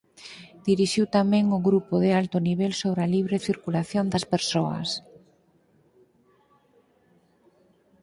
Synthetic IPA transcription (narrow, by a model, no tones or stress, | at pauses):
d̪̥iɾiʃiwt̪amɛ̃ŋʊɣɾupoðɪalt̪ʊniβɛlsoβɾaliβ̞ɾeθiɾkulaθjond̪ɐspeɾsoɐ̰s